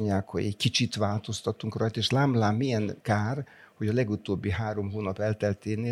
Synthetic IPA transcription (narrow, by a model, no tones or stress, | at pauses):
ɲːaːkhoɟɛ̰ckit͡ʃit̪ʋaːlt̪o̞st̪ɒt̪ːuŋkrɒjt̪eːʃlaːmlaːmːijɛŋkaːr | ho̞ɟɒlɛɡut̪oːbːiɦaːɾo̞mɦoːnɒpɛlt̪ɛlt̪eːneː